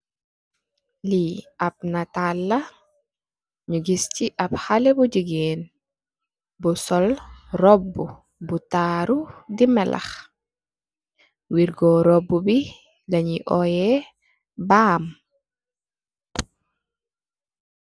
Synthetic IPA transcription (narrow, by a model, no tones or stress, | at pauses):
liab̚natalːɐ | ɲuɡisciʔabhalɛbuɟiɡeːn | busɔlrɔbːu | butaːɾudimɛlʔɐ̰x | wiɾɡɔɾɔbːubi | lɐɲiʔɔjɛ | baːm